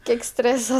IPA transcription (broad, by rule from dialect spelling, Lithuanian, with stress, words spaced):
kʲiɛk ˈsʲtʲrʲeːsɐ